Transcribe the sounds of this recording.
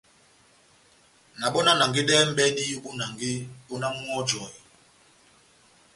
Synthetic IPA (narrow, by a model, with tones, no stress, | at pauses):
na˨ɓɔ˦na˦na˨ŋɡi˦ɗɛ˦m̩˦bɛ˦ɗi˦ju˦ɓu˦na˨ŋɡi˦ɓɔ˦na˦m˦ɔ˦d͡ʒɔ˨i˨